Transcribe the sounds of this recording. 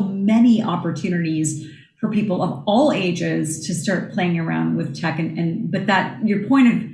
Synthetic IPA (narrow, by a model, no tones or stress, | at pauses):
mɛniʔɑpə˞tʰʉnɨɾiz̥ | fə˞pipl̩ˠʌvɔlˠeɪd͡ʒɪz̥tʰɨstɑɹt̚pʰl̥eɪɪ̃ŋə˞ã̰ʊ̃nd̚wɨð̥tʰɛkɨ̃nɨ̃nbʌt̪̚ðət̚jə˞pʰɔ̃ɪ̃ɾ̃ʌv